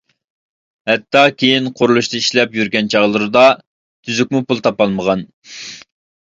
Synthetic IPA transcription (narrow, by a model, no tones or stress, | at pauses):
hɛt̪ːɑkʲʰejinqʰʊɾulˠuʃt̪ɨiʃlɛpjyɾɡʲɛnt͡ʃʰɑʁlˠɨɾɨd̪ɑ | t̪ʰyzykʲmupulˠt̪ʰɑpɑlˠməʁɑn